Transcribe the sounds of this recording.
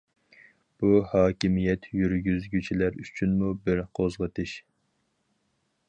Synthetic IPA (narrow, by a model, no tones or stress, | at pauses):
b̥uhɑːkʲimijɛt̪jyɾɡʲyzɡʲyt͡ʃʰilæɾyt͡ʃʰynmubɪɾqʰozʁət̪ʰɪʃ